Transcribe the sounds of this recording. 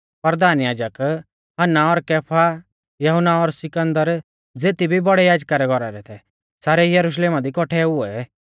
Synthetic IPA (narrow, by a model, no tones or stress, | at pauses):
pɐɾd̪aːnjaːd͡ʒək | ɦɐnːaɔɾkɛːpʰa | jɐɦʊnːaɔɾsɪkə̃nd̪əɾ | d͡zeːt̪ibʱibɔɽɛjaːd͡ʒkaɾɛɡʱɔɾaɾɛt̪ʰɛ | saːɾɛjɐɾuʃ̬leːmad̪ikɔʈʰɛʊɛɛ